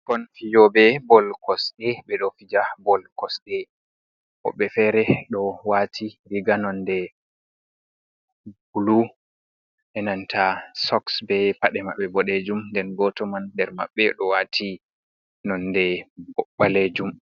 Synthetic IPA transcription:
kɔnfijɔbɛbɔlkɔsɗɛbɛɗɔfid͡ʒabɔlkɔsɗɛ | ʔɔ̰ɓːɛfɛɾɛɗɔwatʰiɾiɡanɔndɛ | bulu | ʔɛnantʰasɔksbɛpaɗɛma̰ɓːɛbɔɗed͡ʒumndɛnɡɔtɔmandɛɾma̰ɓːɛɗɔwatʰi | nɔndɛbɔɓaled͡ʒum

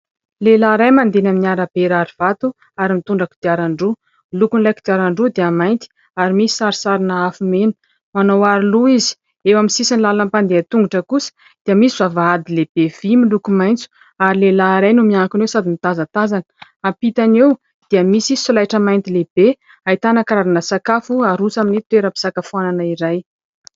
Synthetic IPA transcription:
lelaɾajmand̪enaminiaɾab̥eɾaɾiv̥at̪u | aɾimit̪uɳɖ͡ʐaki̥d̪iaɾaɳɖ͡ʐu | milukunilajkid̪iaɾaɳɖ͡ʐud̪iəmajnt̪i̥ | aɾimisi̥saɾisaɾinaafumenə̥ | manowaɾiluizi̥ | ewamisisinlalampand̪eat̪uŋɡuʈ͡ʂəkusə̥ | d̪̥eəmisivavaad̪ileb̥evimilukumajnt͡su̥ | aɾilelaɾajnumiaŋkunwesad̪init̪azat̪azanə̥ | ampit̪anew | d̪̥iəmisifilajʈ͡ʂəmajnt̪ilebe | ajt̪anəkɾaɾanəsakafuaɾusaminit̪weɾəpi̥sakafuananəiɾaj

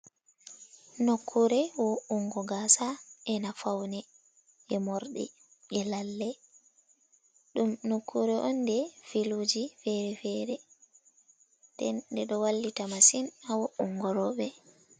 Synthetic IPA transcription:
nokʰːuɾɛwɔuŋɡɔɡasaɛnafawnɛ | ɛmɔɾɗɛ̰ | ɛlalːɛ | ɗumnokʰːuɾɛʔɔndɛfilud͡ʒifɛɾɛfɛːɾɛ | dɛndɛɗɔwalːitamasinawɔuŋɡɔɾɔːɓɛ

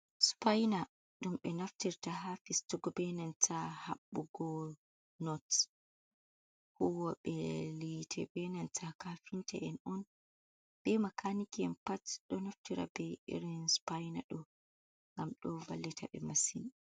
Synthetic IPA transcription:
spajna | ɗumɓɛnaftiɾtahafistuɡɔbɛnantʰaha̰ɓːuɡɔ | nɔt | huwɔɓɛlitʰɛbɛnantʰakafintɛ̰ʔɛnɔn | b̥ɛmakʰanikiɛmpatɗɔnaftiɾa̰bɛḭɾinspajnaɗɔ | ŋɡamɗɔva̰lːitʰa̰ɓɛ̰masin

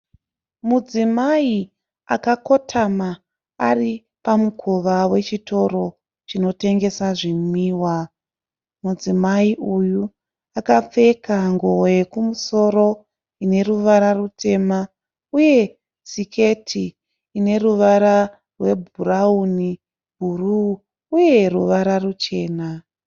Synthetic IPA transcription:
mud͡zimai | akako̞tʰama | ari | pamukʰoʋawe̞t͡ʃito̞ɾo̞ | t͡ʃino̞te̞ŋɡe̞saʐimiːwa | mud͡zimaiʔuju | akap͡fe̞kaŋɡowe̞kumuso̞ɾo̞ | ine̞ruʋaɾarutʰe̞ma | uje̞ | sikʰe̞tʰiː | ne̞ruʋaɾa | rwe̞bʱurauni | ɡʱuruː | je̞ruʋaɾarut͡ʃe̞ːna

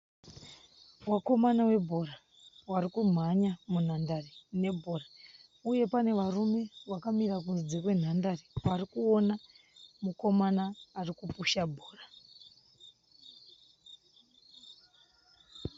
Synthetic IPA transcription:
wako̞manawe̞bʱo̞ra | warikum̤aɲamun̤andarene̞bʱo̞ra | uje̞pane̞ʋarume̞ʋakamirak̬unzid͡zekwe̞n̤andarewarikuona | muko̞manaːrikupuʃabʱoːra

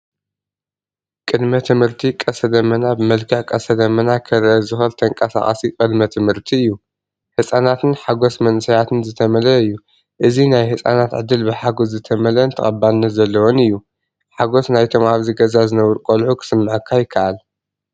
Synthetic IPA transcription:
kʼɨd̪mɐt̪ʰɨmhɨɾt̪ʰikʼɐsɐd̪ɐmɐnabɨmɐlkʰɐħkʼɐsɐd̪ɐmɐnakʰɐɾʔɐzɨxɐlt̪ʰɐŋkʼɐsa̰χʼɐsikʼɨd̪mɐt̪ʰɨmhɨɾt̪ʰiɨjːu | ħɨsʼanat̪ɨnħaɡo̞smɐnsɐjat̪ʰɨnzɨt̪ʰɐmɐlɐɨjːu | ʔɨzinajhɨsʼa̰nat̪ʕɨd̪ːɨlbɨħaɡoszɨt̪ʰɐmɐlɐnt̪ʰɐχʼɐbːalnɐt̪zɐlːɐwonɨjːu | ħaɡo̞snajt̪ʰomhaβziɡɐzazɨnɐwɨɾkʼolħukʰɨ̥sɨmːɨʕɨkʰːajɪkʰːaʔal

